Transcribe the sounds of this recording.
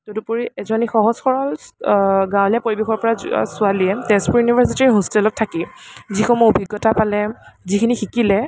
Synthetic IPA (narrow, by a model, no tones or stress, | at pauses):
totupuɹiʔɛzɔnixɔɦɔzxɔɹɔl | ɡãwlapoɹibexɔɹpɔɹasʊaliɛtɛspuɹjunibʱaɹs̬itiɹiɦustɛlɔtʰːakizixɔmɔobʱiɡːɔtapalɛzikʰinixikilɛ